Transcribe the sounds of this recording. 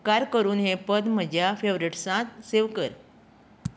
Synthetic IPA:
kaɾkəɾuːnɦepəd̪m̤əd͡ʑjafeʋɾiʈsãt̪seʋkəɾ

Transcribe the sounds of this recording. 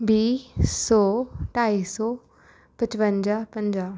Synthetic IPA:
biːsɔːʈaːiːsɔː | pət͡ʃpə̃ɲd͡ʒapə̃ɲd͡ʒaː

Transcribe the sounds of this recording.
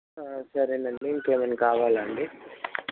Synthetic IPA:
sɐɾinɐɳɖiŋkeːmɐnkaːʋaːlɐɳɖi

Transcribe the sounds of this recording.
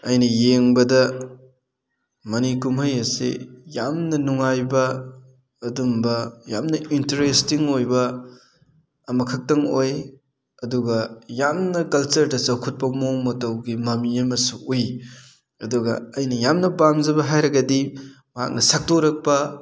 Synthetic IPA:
ɐjnɐjeŋbɐdɐ | mɐnikumhɐjɐsḛjamnɐnuŋajbɐː | dumbɐja̰mnɐintɐɾestiŋojbɐ | mɐkʰɐk̚tɐŋoj | ɐduɡɐjamnɐkɐlt͡ʃɐɾdɐsɐwkʰut̚pɐmoŋmɐtɐwɡimɐmiɐmɐsuuj | ɐduɡɐ̰ɐjnɐjamnɐbamzɐbɐɦajɾɐɡɐdi | mɐɦa̰k̚nɐsak̚toɾɐk̚pɐ

